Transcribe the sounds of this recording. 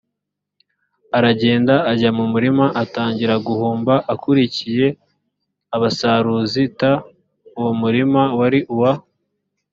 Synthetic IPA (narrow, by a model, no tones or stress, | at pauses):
aɾaɟe̞ːndaːɟamumuɾimaʔataːɲɟiɾaɡuhuːmbaʔakuɾicije̞ | aβasaɾuzita | uwomuɾimawaɾiʔuwa